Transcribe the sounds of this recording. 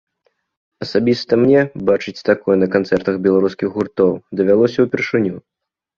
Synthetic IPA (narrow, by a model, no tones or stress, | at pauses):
ɐsabʲist̪ɐmnʲɛbat͡ʂɨt͡sʲt̪akɔjɛnɐkant̪sɛrt̪ɐɣbʲɛlˠaɾuskʲiɣɣurt̪ɔwd̪ɐvʲalˠɔsʲɐwpʲɛrʂɨnʲu